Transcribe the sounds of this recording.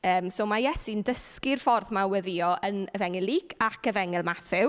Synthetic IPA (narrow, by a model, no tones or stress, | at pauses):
əːmsoːmajɛsindəskɪrfɔrðmawɛðiɔʔənəvɛŋɛlˠiːkʰakʰəvɛŋɛlˠmaθɪw